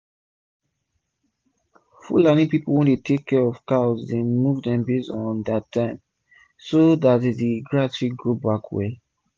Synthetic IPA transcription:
fṵlanĩpipowɛ̃ndetʰekʰːɛɔfkaɔsdemuvdɛ̃mbesɔ̃ndatʰːãɪ̃m | sodatdiɡɹatɹiɡɹobakʰwɛ̰

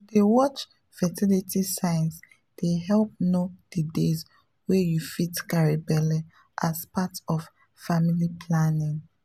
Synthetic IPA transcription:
dewɔt͡ʃ | fɛtilitʰisãɪns | d̥eɦɛlp̚nod̥ədez | wɛjufitkaɹibɛla | ʔaspatɔf | familipʰlanĩŋ

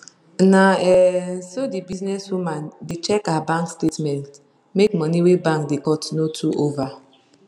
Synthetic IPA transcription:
naɛsodibiznɛswumadet͡ʃɛkabãŋkstetmɛ̃nt | mekmɔniwebãŋkdekɔ̃tinotʰuʔova

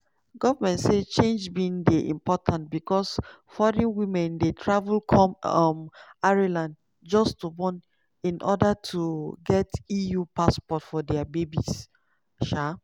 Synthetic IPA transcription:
ɡɔvamɛ̃ntset͡ʃẽnd͡ʒbĩndeʔḭ̃mpɔtʰãnt̚bikɔs | fɔɾĩnwĩmɛ̃ndetʰɹavulkʰɔ̃mɔmaɹilãnd | d͡ʒɔstubɔ̃n | ĩnʔɔdatʰuɡɛtijupaspɔtfɔdɛabebis | ʃa

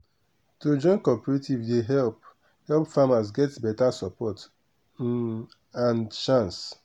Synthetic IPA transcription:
tud͡ʒɔ̃ɪ̃nkɔpɛɹetivdeɦɛlp | hɛlˠpfamasɡɛtbɛtasɔpʰɔt | ãnt͡ʃãns

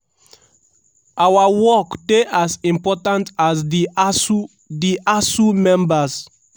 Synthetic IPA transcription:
ʔawawɔkdeʔasĩmpɔtãntasi | diʔasumɛ̃mbas

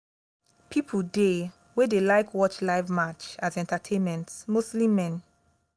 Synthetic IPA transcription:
pʰipʰude | wedelaɪkwɔt͡ʃlaɪvmat͡ʃazɛ̃ntatʰẽnmɛ̃ntsmostlimɛ̃n

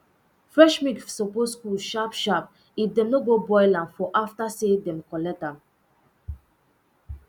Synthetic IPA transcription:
fɹɛʃmiksɔpostuʃapʃap | ifdɛ̃mnoɡobɔjlãnfɔʔaftasedɛ̃mkɔlɛk̚tãm

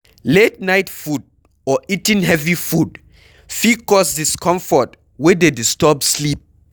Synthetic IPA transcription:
let̚naɪtfud̚ | ɔitĩnɦɛvifud | fikɔsdiskʰɔ̃ɱfɔt | wɛdedistɔpslip̚

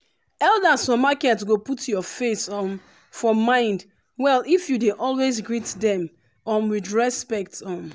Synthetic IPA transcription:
ɛlˠdazɔmakɛtsɡoputʰjɔfesɔm | fɔmãɪ̃nd | wɛlifjudeʔɔlˠwezɡɹitdɛ̃m | ɔmwidɹɛspɛk̚tɔm

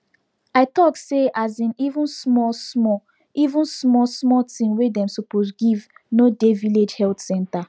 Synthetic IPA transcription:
aɪtɔkseazĩnivũnsmɔsmɔ | ivũnsmɔsmɔtĩnwedɛ̃msopozɡivnodeviled͡ʒhɛltsɛ̃nta

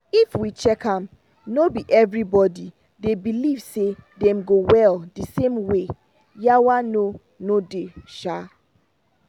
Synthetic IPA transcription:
ifwit͡ʃɛkʰãm | nobiʔɛvɹibɔdi | debilivsedɛ̃mɡowɛldisẽmwe | jawano | nodeʃa

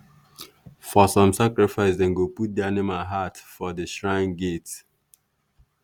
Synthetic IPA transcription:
fɔsɔ̃msakɹifaɪsdɛ̃nɡoput̚dɛanemaɦatfɔdəʃɹãɪ̃nɡet

